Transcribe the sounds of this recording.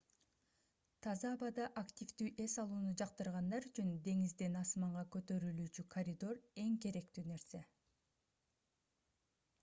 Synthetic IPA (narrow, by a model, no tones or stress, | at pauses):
t̪ʰɑzɑːβɑd̪ɑʔakt̪ʲifd̪yːʔe̞sɑlˠuːnud͡ʒɑq̚t̪ɯɾʁɑnd̪ɑɾyt͡ʃynd̪e̞ŋizd̪e̞nɑsmɑɴʁɑkø̞t̪ø̞ɾylyːt͡ʃykʰɐɾʲid̪o̞re̞ŋke̞ɾe̞k̚t̪yːne̞ɾse̞